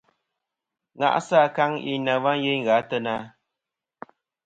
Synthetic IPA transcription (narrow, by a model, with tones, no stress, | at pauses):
ŋa̰˨ʔsa˦˨ka˦ŋḭ˦na˨va˦n˦je˦jŋɣa˨˦tə˦na˦